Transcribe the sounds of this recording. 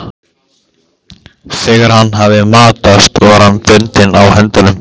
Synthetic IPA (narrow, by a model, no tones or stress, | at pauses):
fɛːɣaɾ̥hanːɦavðɪmaːt̪ast̪ɔɣaɾ̥hanfɪnt̪ɪnawhɛnt̪alʏm